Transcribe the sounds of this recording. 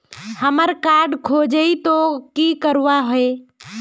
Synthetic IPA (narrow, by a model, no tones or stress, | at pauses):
həməɾkaːɾɖkʰoːd͡ʒəit̪okiːkəɾʋaɦʊeː